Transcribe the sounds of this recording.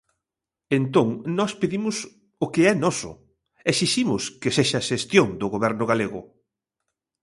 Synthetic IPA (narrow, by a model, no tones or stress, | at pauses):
ent̪õŋnɔspeðimʊs | ʊkeɛnɔsʊ̰ | esiʃimʊskɪseʃaʃest̪joŋd̪ʊɣoβɛɾnʊɣaleɣʊ̰